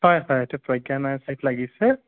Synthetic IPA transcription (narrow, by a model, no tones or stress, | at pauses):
hɔjɦɔjetupɹɔjɡanajsajtlaɡisɛ